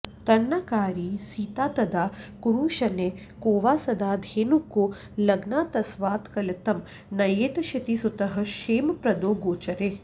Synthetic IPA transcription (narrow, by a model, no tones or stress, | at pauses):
t̪ɐnːɐkaːɾiːsiːt̪aːt̪ɐd̪aːkuɾuːʃɐne | koːʋaːsɐd̪aːd̪ʱeːnukːu | lɐɡnaːt̪ɐsʋaːt̪kɐlɐt̪ɐm | nɐjeːt̪ɐʃɐt̪isut̪ɐɦɐ̆ʃeːmpɾɐd̪oːɡoːt͡ʃɐɾe